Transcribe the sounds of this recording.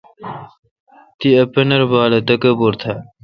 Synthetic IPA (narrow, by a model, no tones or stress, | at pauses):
t̪iɐpɐnɐɾbaːlɐt̪ɐkɐboɾt̪ʰɐ